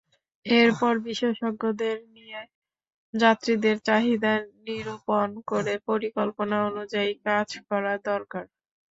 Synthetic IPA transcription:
eɾpɔɾbiʃoʃoɡːod̪eɾnije | d͡ʑat̪ːɾid̪eɾt͡ɕaɦid̪aniɾuponkoɾepoɾikolponaonud͡ʑaikad͡ʑkɔɾad̪ɔɾkaɾ

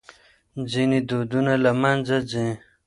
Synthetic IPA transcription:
zinid̪ud̪unalamand͡zad͡zĩ

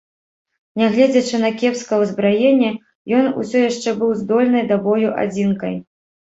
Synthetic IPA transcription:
nʲaɣlʲɛd͡zʲɐt͡ʂɨnɐkʲɛpskɐjzbɾajenʲːɛ | jɔnṵsʲɔjaʂt͡ʂɛbɨwzd̪ɔlʲnɐjd̪abɔjuʔa̰d͡zʲinkɐj

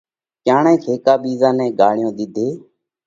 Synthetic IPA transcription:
kjaːɳɛ̃ːkʰeːkaːɓiːzãːnɛ̃ːɡaːɽɪjõːɗ̪ɪd̪ʱeː

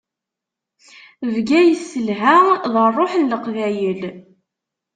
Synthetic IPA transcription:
vɡæjəsːəlɦæðˤərˤːoħənləqvæjəl

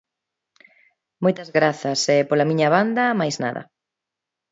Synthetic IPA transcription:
mojt̪ɐzɣɾaθɐsɛpolɐmiɲɐβand̪ɐmajzna̰ðɐ̰

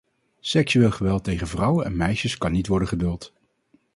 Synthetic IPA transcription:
sɛksyeːlˠχəʋɛlˠtejχənvrʌwənɛnmɛjʃəskɑnːitʋɔɹdənχədɵlˠt

